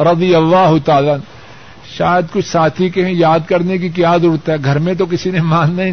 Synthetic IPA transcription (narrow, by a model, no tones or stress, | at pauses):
ɾɐd̪ɪjɐlːaːɦʊt̪aːlan | ʃaːjəd̪kʊt͡ʃʰsaːt̪ʰikeɦɛ̃jaːd̪kɐɾnek̬ik̬jaːd̪ʊɽt̪ɦɛɡʱɐɾmẽt̪̬ok̬ɪsinemãːnːɐɦĩ